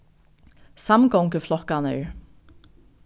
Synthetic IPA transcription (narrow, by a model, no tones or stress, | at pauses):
samɡɔŋkəflˠɔkanœː